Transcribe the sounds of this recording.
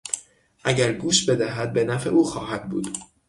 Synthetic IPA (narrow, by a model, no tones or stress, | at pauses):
ʔæɟæɾɡuːʃbe̞d̪æɦæd̪̚be̞næfeʔuːxɒːhæd̪̚bṵːd̪̥